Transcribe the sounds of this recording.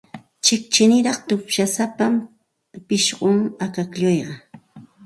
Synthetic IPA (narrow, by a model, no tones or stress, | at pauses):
t͡ʃɪkt͡ʃɪnɪɾɑχt̪ʊpʃasapam | pɪʃɢʊŋakakʎojɢɑ